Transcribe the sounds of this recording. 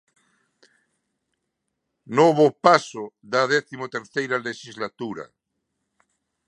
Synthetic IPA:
noβ̞opasoðaðɛθimot̪eɾθejɾaleʃizlat̪uɾa̰

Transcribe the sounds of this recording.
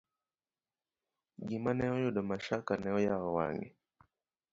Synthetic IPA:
ɡimanɛɔjoɗɔmaʃakanɛɔjaɣɔwa̰ŋɛ̰

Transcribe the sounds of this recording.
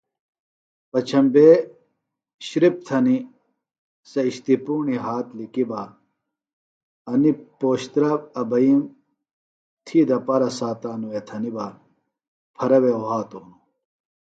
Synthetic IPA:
pɐt͡ɕʰɐmbe | ɕɾip̚t̪ʰɐni | sɐiɕt̪ipuːɳiɦaːt̪likiba | ɐnipoːɕt̪ɾɐbɐbɐjim | t̪ʰid̪ɐpɐɾɐsaːt̪aːnuet̪ʰɐniba | pʰɐɾɐweoɦaːt̪oːnu

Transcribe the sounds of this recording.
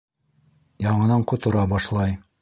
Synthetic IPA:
jɑɴɤ̆nɑɴqŏt̪ŏɾɑbɑʃlˠɑj

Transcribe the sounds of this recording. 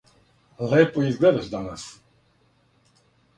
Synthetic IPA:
lɛːpoizɡlɛd̪aʒd̪anas

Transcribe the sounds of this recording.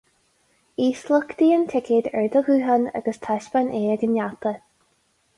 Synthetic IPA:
iːsləkd̪iːənt̪ʰɪkʰɪd̪ɛ̰ɹd̪əɡuːɦəna̰ɡəst̪ʰaʃbanʔeːəɡənjat̪ə

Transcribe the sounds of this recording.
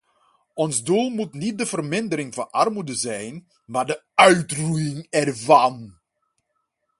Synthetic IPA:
ɔnzdulˠmutnit̚dəvərmɪndəɾɪŋvɑnʔɑrmudəzɛjn | maːɹdəœɥtrujɪŋɛrvɑn

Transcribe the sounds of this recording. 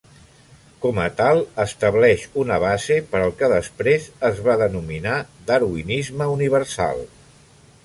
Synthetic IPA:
kɔmət̪alˠəst̪əβlɛʃunəβazepəɾəlˠkəðəspɾezəzβaðənuminad̪əɾuinizməuniβ̞əɾsa̰lˠ

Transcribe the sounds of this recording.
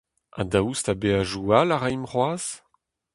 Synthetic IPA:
ã̰daustabeaʒualaʁɛjmʁwaːz̥

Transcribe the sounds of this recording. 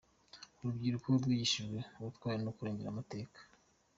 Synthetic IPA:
uɾubɡiːɾukooɾɡwiːjiʃiʒɡwe̞uβutkwaːɾiɾenokuɾe̞ːɲɟe̞ɾamate̞ːkḁ

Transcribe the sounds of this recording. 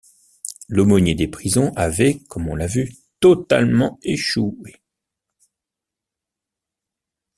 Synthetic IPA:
lɔmɔnjed̪epχizɔ̃ʔavɛkɔmɔ̃lavy | t̪ɔt̪a̰lmɑ̃eʃue

